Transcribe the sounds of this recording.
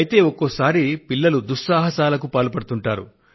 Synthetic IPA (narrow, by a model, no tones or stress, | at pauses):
ɐjt̪e̞ːokːosaːɾipilːɐlud̪uʂːaːɦɐsaːlɐkupaːlupɐɽut̪uɳʈaːɾṵ